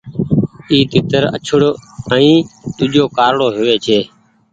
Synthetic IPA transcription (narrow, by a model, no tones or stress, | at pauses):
iːt̪ɪt̪əɾə̰t͡ʃʰəɽəĩːt̪ʊd͡ʒoːkaːɾɽoːɦʊʋeːt͡ʃʰeː